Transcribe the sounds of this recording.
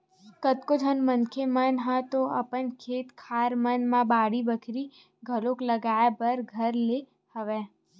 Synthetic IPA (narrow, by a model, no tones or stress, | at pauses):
kət̪kod͡ʒ̪ʱənmənkʰemənɦət̪oə̰pənkʰet̪kʰaɾmənmãbaɽibəkʰɾi | ɡʱəlokləɡajapəɾɡʱəɾle | həʋe